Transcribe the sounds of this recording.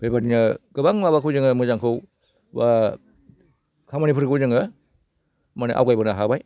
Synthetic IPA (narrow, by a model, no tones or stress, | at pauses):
b̥ebatinɯɡ̥ɯbaŋmaβakʰɯwzɯŋɯmɯzaŋkʰɯw | ba | kʰamanipʰɯɾkʰɯzɯŋɯ | manɯʔa̰wɡajbɯnaɦabaj